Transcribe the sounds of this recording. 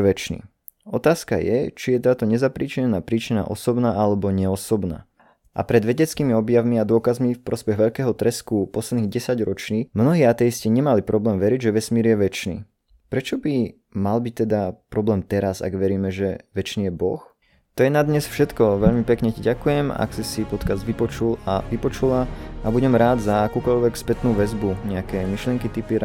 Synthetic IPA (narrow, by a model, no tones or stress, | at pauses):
ʋɛt͡ʃnḭ | ɔt̪aːska̰jɛt͡ʃijɛt̪aːt̪ɔɲɛzapɾiːt͡ʃiɲɛnaːpɾiːt͡ʃina̰ːʔɔ̰sɔbnaːʔalɛbɔɲɛɔsɔbna̰ː | ʔa̰pɾɛd̪ʋɛɟɛt͡skiːmiɔbjaʋmiad̪ʊɔkazmifpɾɔspɛɣʋɛʎkɛːɦɔt̪ɾɛskupɔslɛd̪niːɣɟɛsaɟɾɔt͡ʃɲimnɔɦiːat̪ɛjisciɲɛmalipɾɔblɛːmʋɛɾiɟʒɛʋɛsmiːɾjɛʋɛt͡ʃnḭː | pɾɛt͡ʃɔbi | malbic̚t̪ɛd̪apɾɔblɛːmt̪ɛɾaza̰ɡʋɛɾiːmɛʒɛʋɛt͡ʃniːjɛbɔx | t̪ɔjɛnad̪ɲɛsfʃɛt̪kɔʋɛʎmipɛkɲɛciɟakujɛma̰ksisipɔt̪kazd̪ʋipɔt͡ʃula̰ʋipɔt͡ʃulaabuɟɛmɾaːd̪zaːkuːkɔʎʋɛkspɛt̪nuːʋɛzbuɲɛakɛːmiʃlɪɛŋkit̪ipiɾ